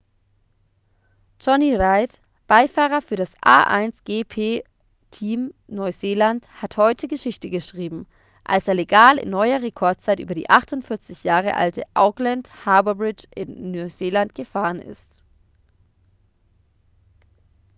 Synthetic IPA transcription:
t͡ʃɔniʁaɪt | b̥aɪfaːʁ̞ɐfyːɐɾasʔa̰ːʔa̰ɪnsɡ̥eːpʰeː | tʰiːmnɔʏzeːlanthathɔʏtʰəɡəʃɪçtəɡəʃʁ̥iːbm̩ | ʔa̰lseːɐleɡaːlɪ̰nːɔʏɐʁekʰɔɐt̚t͡saɪtʔyːbɐdḭːʔaχtʊntfɪɐt͡sɪçjaːʁ̞ə̰ʔa̰ltəʔaʊklɛnthaɐbəbʁɪt͡ʃʔɪnːuzeːlantɡ̥əfaːʁənʔɪ̰st

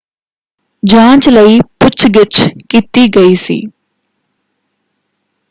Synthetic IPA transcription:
d͡ʒãːt͡ʃləiːpʊt͡ʃʰɡɪt͡ʃkiːt̪iːɡəiːsḭː

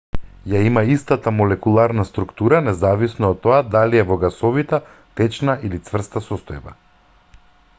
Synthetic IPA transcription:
jaimaist̪at̪amɔlɛkulˠaɾnast̪ɾukt̪uɾanɛzavisnɔːt̪ːɔad̪aliɛvɔɡasɔvit̪ɛ | t̪ɛt͡ʃnailit̪svr̩st̪asɔst̪ɔjba̰

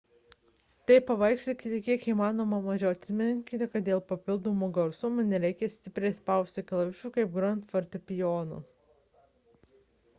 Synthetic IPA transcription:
t̪ɐɪpɐʋɐɪkʃʲt̪ʲɪkʲɪt̪ʲɪkʲiɛkiːmɑːnoːmɐmɐʒʲɛʊɐt̪ʲsʲɪmʲŋʲkʲɪt̪ʲɪkɐt̪̚d̪ʲeːlˠpɐpʲɪlˠd̪oːmoːɡɐɾsumnʲɛɾʲɛɪkʲɛsʲt̪ʲɪpʲɾʲɛɪspɑˑʊsʲt̪ʲɪklˠɐʋʲɪʃuːkɐɪp̚ɡɾɐnt̪fɐɾʲt̪ʲɪpʲɪjoːnṵ

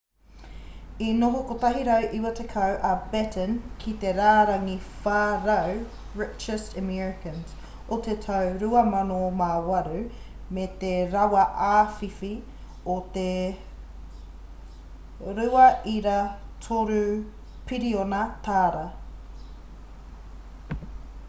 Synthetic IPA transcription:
inoɦokot̪ɐɦiɾɐwʔiwɐt̪ekʰɐwʔɐbɛtə̃nkʰit̪eɾaːɾɐŋifaːɾɐw | ɹɪt͡ʃəstəmɛɹɪkɐ̃ns | ot̪et̪ʰɐwɾʉɐmɐnomawɐɾʉ | met̪eɾɐwɐʔaːfifi | ot̪e | ɾʉɐʔiɾatʰoɾʉ | pʰiɾionɐt̪ʰaːɾɐ

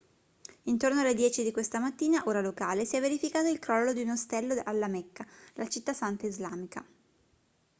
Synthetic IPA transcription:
int̪ornoalːed̪jɛːt͡ʃid̪ikwest̪amat̪ːiːnaʔoːɾalokaːlesiɛvːeɾifikaːt̪oilkɾɔlːod̪iunost̪ɛlːoalːamɛkːalat͡ʃit̪ːasant̪aizlaːmika

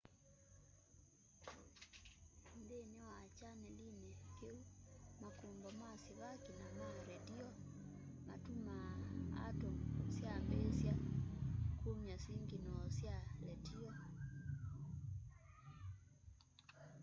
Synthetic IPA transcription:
ndɛnɛwat͡ʃanɛlinɛkiumakumbɔmasiβakinamaɾɛdiɔma̰tumaa̰tɔsiambɛsia | kʰumiasiŋɡinɔsialɛtʰiɔ

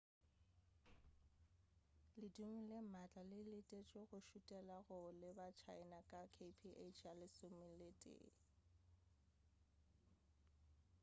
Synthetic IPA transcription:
lɪduŋ̩lemat͡ɬʼalɪlɪtʼet͡ʃʼweɣʊʃutʼɛlaɣʊlɪbat͡ʃʰaɪnakʼakʰepʰiʔet͡ʃʰalɪsʊmɪletʼḛː

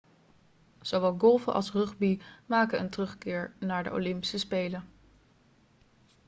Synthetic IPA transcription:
z̥owʋɛlˠɡɔlˠvə̰ʔɑ̰lˠsrɵχbimaːkənə̰ntrɵχkɪːɹnaːɹdə̰o̰lɪmpi̥səspejlə

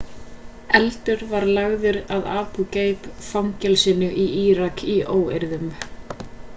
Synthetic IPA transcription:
ɛlt̪ʏɾvaɾlaɣðɪɾaðaːpuceːjpfawŋcɛlsɪnʏʔiiːɾakʰiʔoːwḛɾðʏm

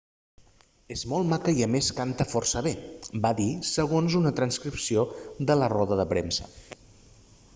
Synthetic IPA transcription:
ezmɔlˠmakəiəmeskant̪əfɔrsəβ̞ebaðisəɣ̞onzunət̪ɾənskɾipsioðələrɔðəðəpɾemsə

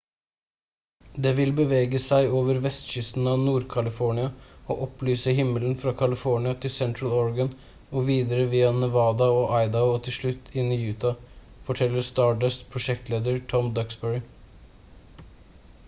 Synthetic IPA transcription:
d̪eːʋɪlbəʋeːɡəsæɪoːʋəɾʋɛst̪ʃʏst̪n̩ɑʋnuːɾkʰɑlɪfɔɳɪɑo̰ːʔɔplyːsəɦɪmːələn̩fɾɑkʰɑlɪfɔɳɪɑt̪ʰɪlsɛnt̪ɾɑlɔɹɡən | ɔʋiːd̪əɾəʋiːɑnəʋɑːd̪ɑoːʔɑɪd̪ɑʊɔt̪ʰɪlʂɭʉt̪ʰːɪnɪjʉːt̪ɑ | fɔʈʰɛlːəst̪ɑːɖəspʰɾʊʃɛkt̪ʰleːd̪əɾʈʰɔmd̪ɑksbɛɹɪ

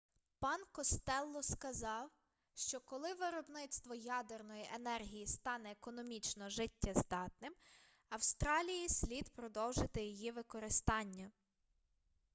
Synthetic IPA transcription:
pɑnkɔst̪ɛlˠːɔskɐzɑw | ʃt͡ʃɔkɔlˠɪʋɪɾɔbnɪt̪st̪ʋɔjɑd̪ernɔjiʔenɛrɦʲijist̪ɑnɛːkɔnɔmʲit͡ʃnɔʒɪtʲːɐzd̪ɑt̪nɪm | ɐwst̪ɾɑlʲijisʲlʲid̪pɾɔd̪ɔwʒɪt̪ɪjijiʋɪkɔɾɪst̪ɑnʲːɐ

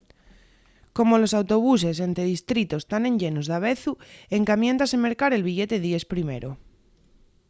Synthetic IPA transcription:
ko̞mo̞lo̞sawt̪o̞β̞us̬e̞sent̪e̞ðist̪ɾit̪ost̪anẽ̞ɲʎe̞nozðaβ̞e̞θue̞ŋkamjent̪aseme̞ɾkaɾe̞lβiʝe̞t̪e̞ðie̞spɾimḛɾo

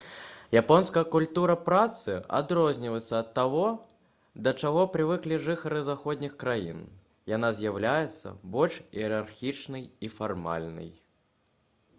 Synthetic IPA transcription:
japɔnskɐjɐkulʲt̪uɾɐpɾat̪sɨa̰d̪ɾɔzʲnʲivəjɪt̪sɐɐt̪ːavɔ | d̪ɐt͡ʂaɣɔpɾɨvɨklʲiʐɨxɐɾɨzaxɔd̪ʲnʲixkɾajḭn | janazʲjawlʲajɛt̪sːɐ̰bɔlʲʂiɛɾarxʲit͡ʂnɐjifarma̰lʲnɐ̰j

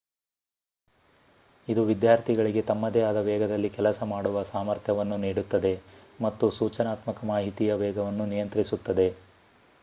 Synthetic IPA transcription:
id̪uʋid̪jaːɾt̪ʰiɡɐɭiɡe̞t̪ɐmːɐd̪ɛaːd̪ɐʋɛːɡɐd̪ɐlːikɛlɐsɐmaːɽuʋɐsaːmɐɾt̪ʰjɐʋɐnːuniːɽut̪ːɐd̪e̞ | mɐt̪ːusuːt͡ʃɐnaːt̪mɐkɐmaːɦit̪ijɐʋɛːɡɐʋɐnːunijɐnt̪ɾisut̪ːɐd̪e̞

